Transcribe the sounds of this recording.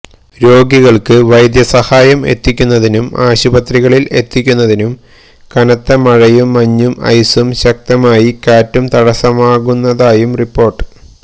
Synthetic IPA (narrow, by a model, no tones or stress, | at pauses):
ɾo̞ːɡiɣɐɭkɨʋɐjd̪jɐsɐhaːjɐme̞̰t̪ːikʲːunːɐðinumaːɕubɐt̪riɣɐɭile̞t̪ːikʲːunːɐðinum | kɐnɐt̪ːɐmɐɻɐjumːɐɲːumɐ̰jsumɕɐk̚t̪ɐmaːjikaːtːumt̪ɐɽɐsɐmaːɣunːɐðaːjumripːo̞ːrʈːɨ̥